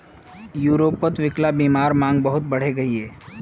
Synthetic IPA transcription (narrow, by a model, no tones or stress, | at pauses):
juːɾoːpːət̪ʋɪklabiːmaːɾmãːŋɡbɐɦʊt̪̚bɐɽ̤eɡɐɦieː